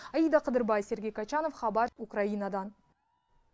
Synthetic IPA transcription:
ɑjijd̪ɑqʰəd̪əɾbɑjse̞ɾɡʲe̞jkʰɑt͡ʃɑno̞fχɑbɑɾukrainɑd̪ɑn

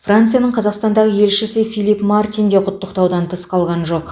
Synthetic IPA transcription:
frant̪sɨjanəɴqʰɑzɑqst̪ɑnd̪ɑʁəje̞lʃɪsɪfijlˠipmart̪ijnd̪eqʰʊt̪ːəqt̪ɑwd̪ɑnt̪ʰəsqʰɑlˠʁɑnʒo̞q

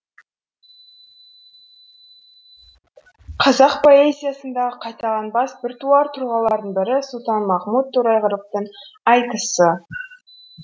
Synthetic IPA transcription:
qʰɑzɑqpʰo̞ezʲijasənd̪ɑʁəqʰɑjt̪ɑʁɑnbɑsbɪɾt̪uɑɾt̪ʰʊɾʁɑlˠɑɾd̪əɴbɪɾɪsʊlˠt̪ɑnmɑχmut̪ʰːuɾɑjʁəɾəq̚t̪əɴɑjt̪əsə

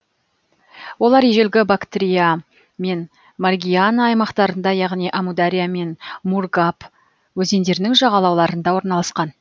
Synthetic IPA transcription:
wo̞lˠɑɾje̞ʒe̞lɡʲɪbakt̪ɾʲija | me̞n | marɡʲijanːjmɑqt̪ɑɾənd̪ɑjɑʁnijʔamud̪aɾʲijame̞nmurɡap | wɵze̞nd̪e̞ɾɪnɪŋʒɑʁɑlˠɑwlˠɑɾənd̪ɑwo̞ɾnɑlˠɑsqɑn

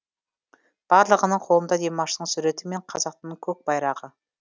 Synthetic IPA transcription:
b̥ɑɾlˠəʁənəɴqʰolˠəmd̪ɑd̪e̞mɑʃəəɴsuɾe̞t̪ɪme̞ɴqʰɑzɑq̚t̪nəɴkʲʰɵk̚b̥ɑjɾɑʁə

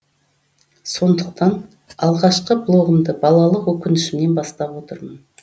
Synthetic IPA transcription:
so̞nd̪əq̚t̪ɑn | ɑlˠʁɑʃqəblˠo̞ʁəmd̪əbɑlˠɑlˠəqwɵkʲɪnɪʃɪmne̞nbɑst̪ɑpwo̞t̪əɾmən

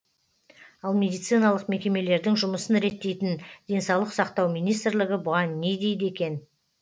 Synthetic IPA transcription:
ɑlˠmʲe̞d̪ijt̪sɨjnɑlˠəqme̞kʲe̞me̞le̞ɾd̪ɪŋʒʊməsənɾe̞t̪ːe̞jt̪ɪnd̪̥e̞nsɑwlˠəqsɑqt̪ɑwmijnijst̪ɾlɪɡʲɪbʊʁɑnːe̞jd̪e̞jd̪e̞kʲe̞n

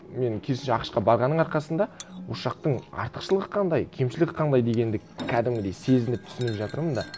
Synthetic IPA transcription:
me̞ŋkʲʰesnʃeɑqə̥ʃqɑbɑɾʁɑnːəɴɑɾqɑsənd̪ɑwoʃɑq̚t̪əɴɑ̰ɾt̪ə̥qʃəlˠəʁəqʰɑnd̪ɑjkʲʰe̞mʃɪlɪkqʰɑnd̪ɑjd̪e̞ɡʲe̞nd̪ɪkkʲʰæd̪ɪmɡʲɪd̪e̞jse̞zɪnɪp̚t̪ʰʏ̥sɪnɪpʒɑt̪əɾmənd̪ɑ

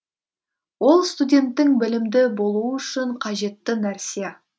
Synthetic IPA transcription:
wo̞lˠst̪udʲe̞nt̪ːɪŋbɪlɪmd̪ɪbo̞lˠuəʏʃɪɴqʰɑʒe̞t̪ːɪnæɾsije

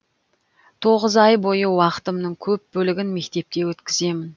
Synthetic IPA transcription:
t̪ʰo̞ʁəzɑjbo̞jəwɑqə̥t̪əmnəɴkʲʰɵp̚bɵlɪɡʲɪnme̞k̚t̪e̞p̚t̪e̞wɵt̪kʲɪze̞mɪn

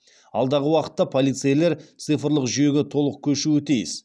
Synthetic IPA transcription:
ɑ̰lˠd̪ɑʁəwɑqə̥t̪ːɑpʰo̞lijt̪sɨjle̞ɾt̪sɨjfəɾlˠəqʒʏje̞ɡʲɪt̪ʰo̞lˠəq̚kʲʰɵʃuɪt̪ʰijɪs

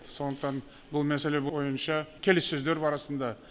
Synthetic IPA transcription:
so̞nd̪əqt̪ɑn | bʊlˠmæse̞le̞bo̞jənʃɑkʲʰe̞lesːɵzd̪e̞ɾbɑɾɑsənd̪ɑ

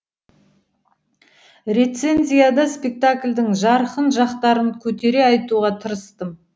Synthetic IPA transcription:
ɾe̞t̪se̞nzʲijad̪ɑspʲe̞k̚t̪akʲlʲd̪ɪŋʒɑɾəqənʒɑqt̪ɑɾəŋkʲʰɵt̪e̞ɾe̞ɑjt̪uʁɑt̪ʰəɾəst̪əm

